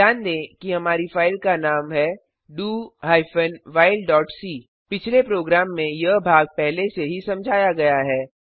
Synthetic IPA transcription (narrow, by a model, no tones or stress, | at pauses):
aːnd̪ẽːkiɦɐmaːɾifaːɪlkanaːmɦɛ | ɖuːɦaːɪfənʋaːɪlɖɔːʈsiː | pɪt͡ʃʰlepɾoːɡɾaːmːẽjɐbʱaːɡ̚pɛɦleseɦisɐ̃md͡ʒʱaːjaɡɐjaɦɛː